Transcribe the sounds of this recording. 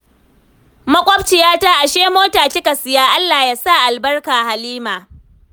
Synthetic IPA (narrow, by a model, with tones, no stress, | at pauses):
mɐ˦kʷʼɔ˦p̚t͡ʃɪ˨jaː˦taː˦ʔa˨ʃeː˦moː˦taː˨kʲɪ˦ka˨sɪ˨jaː˦ʔa˦lːaː˨jaː˦sa˦˨ʔa˨lbɐ˦rkaː˨ha˨liː˦maː˨